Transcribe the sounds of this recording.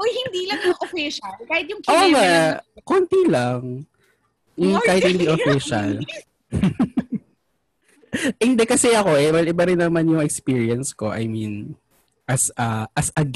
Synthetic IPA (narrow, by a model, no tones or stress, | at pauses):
ʔojhɪnd̪iːlɐŋmʊŋʔofiʃɐlkaːhɪt̪̚jʊŋʔoŋakont̪ilaŋ | ʔ̩kaːhɪt̪hɪnd̪iʔofiʃɐ̰l | ʔɪnd̪ɛkɐsɛʔɐko̞ʔɛbɐlɪbaɾɪnːɐmanjʊŋɛkspiːɹiɐnsko̞ʔɐ̰jmin | ʔɐsʔɐʔɐsɐɡ